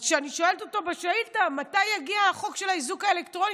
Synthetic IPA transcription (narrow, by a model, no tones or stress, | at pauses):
ʃeaniʃo̞eletoto̞beʃaitamatajːaɡiaχo̞kʃe̞laizukaelektʁo̞ni